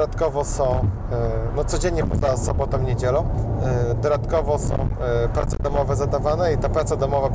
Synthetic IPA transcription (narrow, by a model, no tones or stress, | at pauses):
d̪at̪kɔvɔsɔ̃w̃ | nɔt̪sɔd͡ʑeɲɲɛpɔ̰zasɔbɔt̪ɔ̃ɲed͡ʑɛlɔ̃w̃d̪ɔd̪at̪kɔvɔsɔ̰̃w̃ | pɾa̰t̪sɛ̰d̪ɔmɔvɛzad̪avanɛit̪apɾat̪sad̪ɔmɔva